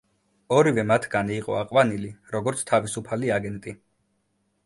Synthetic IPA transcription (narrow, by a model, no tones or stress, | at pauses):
ɔɾivɛmat̪ʰɡaniːqʼɔ̰aqʼwaniliɾɔɡɔɾt̪sʰt̪ʰavisupʰaliaɡɛnt̪ʼi